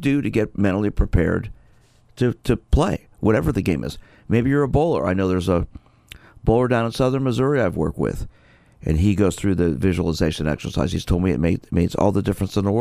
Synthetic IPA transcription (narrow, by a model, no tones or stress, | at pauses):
dɨɾɨɡɛt̚mɛ̃ɾ̃l̩ˠipʰɹ̥ipʰɛ̰ɹd̚ | tʰɨɾʰɨpʰl̥eɪ | wʔʌɾɛvə˞ðɨɡẽɪ̃mɨ̰z̥ | meɪbijə˞əboʊlˠə̰˞ʔa̰ɪnoʊðə˞zə | b̥oʊlˠə˞dãʊ̃nə̃nsʌðə̃˞nmɨzʊɹiaɪvwɜ̰˞k̚t̚wɪ̰ð̥ | ʔɨ̰̃niɡoʊz̥θɹʉðɨvɪʒəl̩ˠəzeɪʃɨ̃nɛ̰ksə˞sa̰ɪz̥iz̥tʰoʊlˠd̚miɨ̰t̚meɪmeɪdzɔ̰lˠðədɪfɹə̃nsə̃nðəwɜ